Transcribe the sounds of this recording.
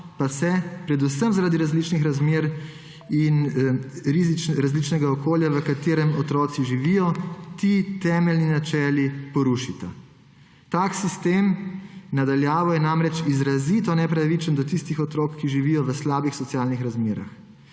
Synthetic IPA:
pasɛpɾɛd̪usəmzaɾaːd̪iɾazlit͡ʃnixɾazmeːɾ | in | ɾizit͡ʃɾazlit͡ʃnɛɡaɔkoːljaʋəkat̪eːɾɛmɔt̪ɾɔːt̪siʒiʋijɔt̪it̪ɛːmɛlninat͡ʃɛːlipɔɾuʃit̪a | t̪aːksist̪eːmnad̪aljaːʋɔjɛnamɾɛt͡ʃizɾazit̪ɔnɛpɾaʋit͡ʃənd̪ɔt̪ist̪ixɔt̪ɾɔːkkːiʒiʋiːjɔʋəslaːbixsɔt̪sjaːlnixɾazmeːɾa̰x

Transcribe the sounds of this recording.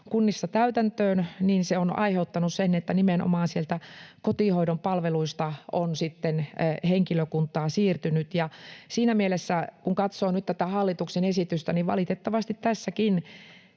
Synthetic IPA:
kunːisːɑt̪æyt̪ænt̪øːnniːnseonɑ̰iheut̪ːɑnussenːet̪ːænimenʔo̰mɑːnsielt̪ækot̪iˑhoiɾompɑlʋeluist̪ɑonsit̪ːenheŋkiløkunt̪ˑɑːsiːrt̪ynyt̪jɑsiːnæmielesːækuŋkɑt̪soːnyt̪t̪æt̪æhɑlːit̪uksenesit̪yst̪æniʋʋɑ̰lit̪et̪ːɑʋɑst̪it̪t̪æsːækin

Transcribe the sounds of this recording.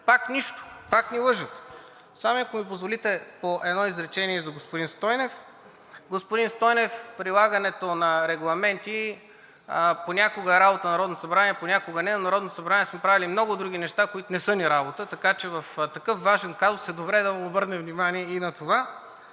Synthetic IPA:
pakniʃt̪o̥paknilˠɤʒət̪ | samoɐkomipozvolit̪ɛpoʔɛd̪nɔizɾɛt͡ʃɛniɛzɐɡospʊd̪inst̪ɔjnɛf | ɡospʊd̪inst̪ɔjnɛfpɾilˠaɡənɛt̪onɐɾɛɡlˠɐmɛnt̪i | ponʲakoɡəɛɾabot̪ənɐɾɔd̪not̪osɐbɾanʲiɛponʲakoɡənɛnɐnɐɾɔd̪not̪osɐbɾanʲiɛsmɛpɾavilimnɔɡʊd̪ɾuɡ̟ʲinɛʃt̪akoit̪onɛsɤniɾabot̪ət̪ɐkat͡ʃɛvɐft̪ɐkɤfvaʒɛnkazosɛd̪obɾɛd̪ɐvɐobɤɾnɛvnimaniɛinɐt̪ova

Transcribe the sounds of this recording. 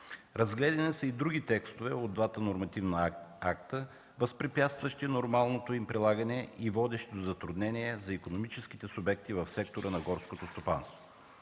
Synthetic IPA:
ɾɐzɡlɛd̪ɛnɛsəid̪ɾuɡ̟ʲit̪ɛkst̪ovɛod̪d̪vat̪ənoɾmɐt̪ivnəak̚t̪ə | vəspɾipjat̪st̪vɐʃt̪inoɾmalˠnot̪oimpɾilˠaɡɐnɛivɔd̪ɛʃt̪id̪ozɐt̪ɾud̪nɛniɛzɐikonomit͡ʃɛsk̟i̥t̪ɛsʊbɛkt̪ivɐfsɛk̚t̪oɾənɐɡɔɾskot̪ost̪opa̰nst̪vo̥

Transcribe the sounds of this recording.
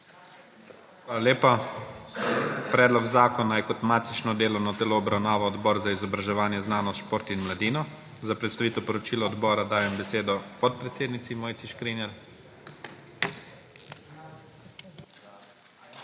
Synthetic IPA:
xʋaːlaleːpa | pɾɛːd̪lɔɡzaːkɔnajɛkɔt̪maːt̪it͡ʃnɔd̪eːlɔwnɔt̪ɛloːbɾawnaːʋaɔd̪bɔːɾzaizɔbɾaʒɛʋaːnjɛznaːnɔst̪ʃpoːɾt̪inmlad̪iːnɔ | zapɾɛt̪st̪aʋiːt̪ɛwpɔɾɔt͡ʃiːlaɔd̪bɔːɾad̪aːjɛmbɛseːd̪ɔpɔt̪̚pɾɛt̪seːd̪nit̪simoːjt̪iʃkɾinɛɾ

